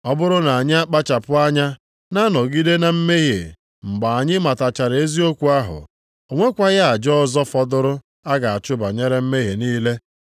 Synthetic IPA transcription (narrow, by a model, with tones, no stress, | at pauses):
ɔ˦bʊ˦ɾʊ˦na˨a˨ɲɪ˦a˦k͡pa˦t͡ʃa˨pʊ˦a˦ɲa˦ | na˦nɔ˨ɡi˦de˦na˨m̩˦me˦ɣḛ˨ | ŋ͡m̩˨ɡ͡ba˨a˨ɲɪ˦ma˨ta˨t͡ʃa˨ɾe˦zi˦o˦kʷu˨a˦ɦʊ̰˨ | o˨ŋʷe˦kʷa˦ɣa˦a˨d͡ʒɔ˦zɔ˦fɔ˦dʊ˦ɾʊ˦ | a˦ɡa˨a˨t͡ʃʊ˦ba˨ɲe˦ɾe˦m̩˦me˦ɦe˨niː˦le˦